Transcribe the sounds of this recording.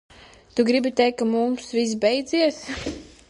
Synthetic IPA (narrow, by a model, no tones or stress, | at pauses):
t̪uɡɾibit̪ɛjkːamumsvis̬bɛjd̪ziɛs